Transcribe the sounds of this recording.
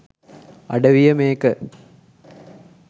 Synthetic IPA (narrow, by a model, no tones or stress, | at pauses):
ɐɽɐʋijɐmeːkːɨ